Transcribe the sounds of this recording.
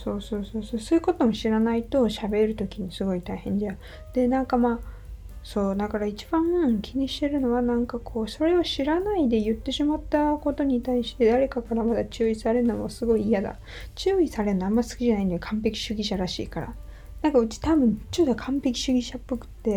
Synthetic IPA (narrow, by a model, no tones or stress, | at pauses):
so̞ːso̞ːso̞ːso̞ːsoːjɯ̟ko̞t̪o̞mo̞ɕiɾanait̪o̞ɕabe̞ɾɯ̟t̪o̞kʲiɲisɨɡo̞it̪aihẽ̞ɲ̟d͡ʑa | d̪̥e̞nãŋkamaː | so̞ːd̪akaɾait͡ɕib̥ãɰkʲiɲ̟iɕi̥t̪e̞ɾɯ̟no̞βanãŋkakʰo̞ːso̞ɾe̞oɕiɾanaid̪e̞jɯ̟t̪ːe̞ɕimat̪ːako̞t̪o̞ɲ̟it̪aiɕi̥t̪e̞d̪aɾe̞kakaɾamad̪at͡ɕɨːisaɾe̞ɯnomosɨɡo̞iːjad̪a̰ | t͡ɕɨːisaɾe̞noamːasɨ̥kʲiʑanaĩnd̪ekʰãmpe̞kʲi̥ɕɨɡʲiɕaɾaɕḭːkaɾa̰ | nãŋkaɯ̟t͡ɕi̥t̪abɯ̟̃ɲt͡ɕot̪ːokʰãmpe̞kʲi̥ɕɨɡʲiɕapːɯkɯ̟̥t̪ːe̞